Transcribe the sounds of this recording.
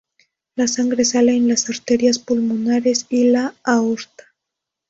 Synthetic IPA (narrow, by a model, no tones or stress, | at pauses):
lasaŋɡɾe̞saleenlasaɾt̪eɾjaspulmunaɾe̞silaːoɾt̪ḁ